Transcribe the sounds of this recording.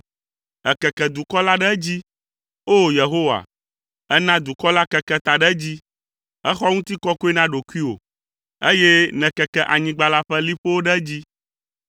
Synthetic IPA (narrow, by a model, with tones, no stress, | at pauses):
ɛ˨kɛ˨kɛ˨d̪u˨kɔ˦la˦ɖɛ˦d͡ʑi˦ | o˦je˨ɦo˦wa̰˨ | ɛ˦nã˦d̪u˨kɔ˦la˦kɛ˨kɛ˦t̪a˨ɖɛ˦d͡ʑi˦ | ɛ˦xɔ˦ŋũ˦t̪i˦kɔ˦ku˦e˦nã˦ɖo˨ku˦i˦wo̰˨ | e˦je˦nɛ̃˨kɛ˨kɛ˦ʔa˨ɲĩ˦ɡ͡ba˦la˦ɸɛ˦li˦ɸo˦wo˦ɖɛ˦d͡ʑi˦